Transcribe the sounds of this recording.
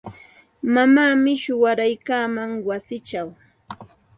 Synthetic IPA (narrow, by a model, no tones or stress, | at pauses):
mamaːmɪʃʊwaɾajkaːmaŋwasɪt͡ʃaw